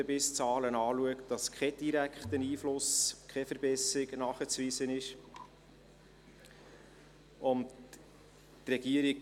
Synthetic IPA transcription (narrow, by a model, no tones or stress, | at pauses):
əbɪst͡sɑːlənɑːluəktd̥ɑskʰχɛd̥iɾækχt̪əniːflʊskʰɛfəɾbɛsɪɡnɑːχət͡sʋiːsənɪʃ | ʊnt | trɛɡiəɾik